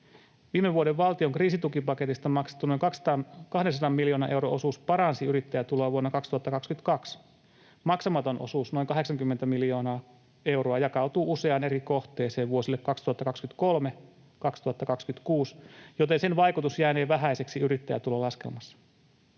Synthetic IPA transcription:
ʋiːmeʋːuodeʋʋɑlt̪ioŋkriːsit̪ukipɑke̞t̪ist̪ɑmɑkse̥t̪ːuno̞jŋkɑkst̪ɑkɑhdens̬ɑdɑmːmiljo̞ːnɑ̰ʔe̞wɾoo̞suːspɑɾɑnsiyɾit̪ːæjæt̪uloːʋuonːɑkɑkst̪uhɑt̪ːɑkɑkskyt̪kɑks | mɑksɑmɑt̪o̞nʔo̰suːsno̞iŋkɑɦe̞ksɑŋkymːent̪æmilijo̞ːnɑː | e̞wɾoɑjɑkɑwt̪uːuse̞ɑne̞ɾiko̞ht̪e̞ːse̞ːʋʋuo̞silːekkɑkst̪uhɑt̪ːɑkɑkskyt̪ko̞lme | kɑkst̪uhɑt̪ːɑkɑkskyt̪kuːsjot̪ensenʋɑjkut̪usjæːneːʋæɦæjseksiyɾit̪ːæjæ̰t̪uloːlɑske̞̰lmɑsːɑ̥

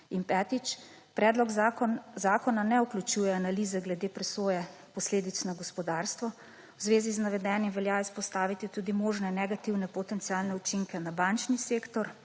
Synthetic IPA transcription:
inpɛt̪it͡ʃ | pɾɛːd̪lɔɡzaːkɔnanɛuklʲut͡ʃujɛanaliːzɛɡlɛd̪eːpɾɛsoːjɛ | pɔsleːd̪it̪snaɡɔspɔd̪aːɾst̪ʋɔ | wzʋeːziznaʋɛd̪ɛːnjimʋɛljaispɔst̪aːʋit̪it̪ud̪imoːʒnɛnɛɡat̪iwnɛpɔt̪ɛnsialnɛut͡ʃiŋkɛnabant͡ʃniseːkt̪ɔɾ

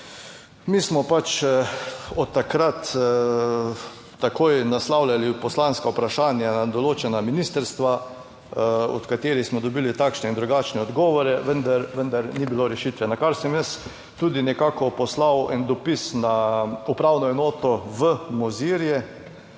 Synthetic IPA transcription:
mismɔpat͡ʃ | ɔt̪ːakɾat̪ | akoːjnaslawlʲjalipɔslanskaupɾaʃaːnjanad̪ɔloːt͡ʃɛnaminist̪əɾst̪ʋa | ɔ̰t̪kat̪eːɾixsmɔd̪ɔbilit̪akʃnɛind̪ɾuɡaːt͡ʃnɛɔd̪ɡɔːʋɔɾɛʋənd̪aɾʋənd̪aɾnibiloɾɛʃit̪ʋɛnakaɾsɛmjɛs | t̪uːd̪inɛkaːkɔpɔslawɛnd̪ɔpisnaupɾawnɔɛnoːt̪ɔʋəmɔziɾjɛ

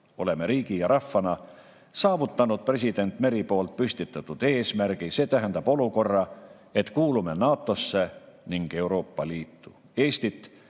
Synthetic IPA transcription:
o̞̰le̞me̞ɾiːɡ̥ijɑɾɑfːɑnɑ | sɑːvut̪ːˑɑnud̪̥̚pre̞s̬id̪̥e̞nt̪ːˑme̞ɾipo̞ːlt̪̚pyst̪it̪ːˑɑt̪ːud̪̥e̞ːsmæɾɡ̥ise̞ːt̪æɦænd̪̥ɑb̥o̞luko̞rːɑ | e̞t̪kuːlume̞nɑːt̪ːˑo̞sːeniŋɡ̥e̞wɾo̞ːpːɑliːt̪ːˑu | e̞ːst̪it̪ːˑ

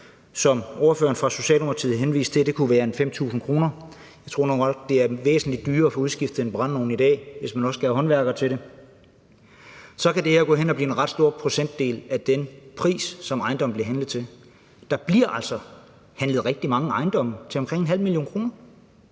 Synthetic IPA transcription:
sɒ̽mɒɐfø̰ːɐn̩fʁɑ̈so̝ɕɛ̰ːlomɐt͡sʰið̩ˠɦenʋḭːsd̥t͡sʰe̝d̥e̝kʰuʋæːɐenfem̰t͡sʰṵːsn̩kʰʁo̝ːnɐ | jɑ̈ɪt͡sʰʁo̝ɐ̰no̝ːnɒ̥̽d̥e̝æɐʋḛːsn̩lid̥ːyːɐɒfɒ̽uð̞ˠsɡ̥ifd̥ð̩ˠenb̥ʁɑ̈nno̝ːn̩id̥ɛ̰ːʋe̝smænɒ̽sɡ̥æɦɒ̽nʋæɐɡ̥ðˠt͡sʰeɾe̝ | sɒ̽kædeeɐɡ̥ɔ̰ːenɒ̽b̥liːe̝nʁɑ̈d̥sd̥o̝ɐ̰pʰʁo̝sen̰d̥ːe̝̰ːlæd̥enpʰʁḭːsːɒ̽mɑ̈ɪnd̥ɒ̽m̩b̥liɐɦænləð̞̩ˠt͡sʰe̝l | d̥ɑ̈b̥liɐʔæl̰sɒ̽ | hænləð̩ˠʁɛɡ̥̚d̥imɑ̈ŋəɑ̈ɪnd̥ɒ̽mət͡sʰe̝ɒmkʰʁeŋ̰enɦæl̰milio̝̰ːnkʰʁo̝ːnɐ

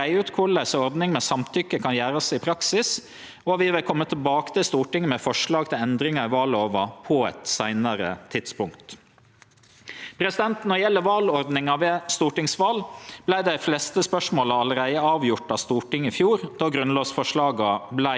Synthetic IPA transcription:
æɪʉːt̪kʰʊlæɪsɔɾd̪nɪŋmɛsɑmt̪ʰʏkːəkʰɑnjæːɾəsɪpʰɾɑksɪs | ɔʋɪʋɪlkʰɔmːət̪ʰɪlbɑːkə̥t̪ɪlst̪uːʈɪŋːmɛfɔʂɭɑːɡ̚t̪ʰɪlɛnd̪ɾɪŋɑɪʋɑːloːʋɑpʰɔɛt̪sæɪnəɾət̪ʰɪd̪̥spʊŋkt̪ | pʰɾɛsɪd̪ɛnt̪nɔɾjɛlːəʋɑːlɔɾd̪nɪŋɑʋeːst̪uːʈɪŋsʋɑːlb̥læɪd̪æɪflɛst̪əspœʂmoːləɑləɾæɪəɑːʋjʊʈːɑʋst̪uːʈɪŋːɪfjuːɾd̪ɑɡɾʉnloːsfɔʂɭɑːɡɑblæ

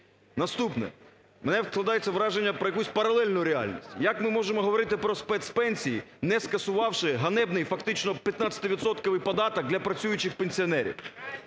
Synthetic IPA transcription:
nɐst̪upnɛ̰ | menɛwsklˠɐd̪ɑjet͡sʲːɐʋɾɑʒenʲːɐpɾɔjɐkusʲpɐɾɐlˠɛlʲnʊjʊɾeɑ̰lʲnʲisʲtʲjɐkmɪmɔʒemɔɦɔʋɔɾɪt̪ɪpɾɔspɛt̪spɛnʲsʲijinɛskɐsʊʋɑwʃɪɦɐnɛbnɪjfɐkt̪ɪt͡ʃnɔpʲjɐt̪nɑt͡sʲsʲɐ̥t̪ɪʋʲit̪sɔt̪kɔʋɪjpɐd̪ɑt̪ɐk̚d̪lʲɐpɾɐt͡sʲujʊt͡ʃɪxpenʲsʲiɔnɛɾʲḭw

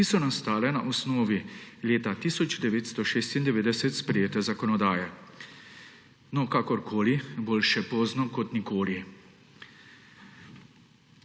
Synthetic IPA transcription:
kisɔnast̪aːlɛna̰ʔɔsnɔːʋileːt̪at̪isɔd͡ʒd̪ɛʋeːt̪st̪ɔʃeːst̪ind̪ɛʋeːd̪ɛsɛt̪spɾɛjeːt̪ɛzakɔnɔd̪aːjɛ | nɔkakɔɾkʰoːliboːlʃɛpoːznɔkɔt̪nikoːli

